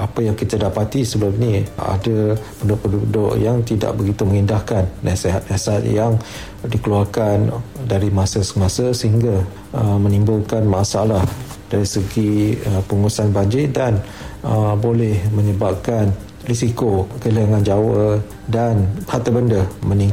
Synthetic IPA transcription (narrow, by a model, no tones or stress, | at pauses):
ʔapajaŋkit̪adapat̪isəbəlapnia̰dəbənʊʔpududo̰ʔjaŋt̪ida̰ʔ̚bəɡit̪uməŋindahkanːasiɦat̪̚nasat̪̚jaŋ | dikəluarkandaɾimasasəmasasəhiŋɡa | əmə̃nĩmbʊlkanmasalah | d̥aɾisəɡiəpuŋusanbaɲd͡ʒɪdan | əbolɛhməɲəbap̚kan | risikokələŋand͡ʒawə | danhat̪əbəndəmə̃niŋ